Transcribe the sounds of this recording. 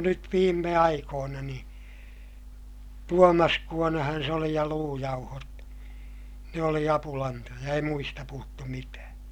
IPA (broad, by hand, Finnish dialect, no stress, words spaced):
nyt ʋiːmːe ɑikoːnɑ nĩː tuomɑskuonɑhɑn se oli jɑ luːjɑuhot ne oli ɑpulɑntojɑ ei muistɑ puhutːu mitæː